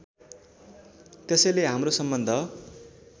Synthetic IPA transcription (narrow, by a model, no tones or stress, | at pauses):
t̪esʌjleɦamrosʌmbʌnd̪ʱʌ